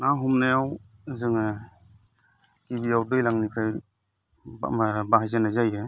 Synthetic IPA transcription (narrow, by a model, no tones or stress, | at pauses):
naɦumnajaw | zɯŋɯ | kibiawdɯjlaŋnikʰaj | baɦajzanazajɯ